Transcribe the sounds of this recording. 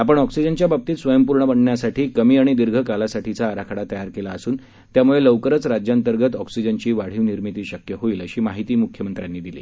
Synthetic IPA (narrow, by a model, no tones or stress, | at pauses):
apəɳɔksid͡ʑənt͡ɕjabab̚t̪iːt̪sʋəjəmpuɾɳəbəɳɳjasaʈʰiːkəmiːaɽ̃id̪iɾɡʱəkalasaʈʰit͡saːɾakʰaɽat̪əjaɾkelaəsuːn | t̪jamuɭeləʋkəɾət͡sɾad͡ʑjant̪əɾɡət̪ɔksid͡ʑənt͡ɕiːʋaɽ̤iːʋniɾmit̪iːɕəkjəɦoiːləɕiːmaɦit̪iːmukʰjəmənt̪ɾjanːiːd̪ilḭː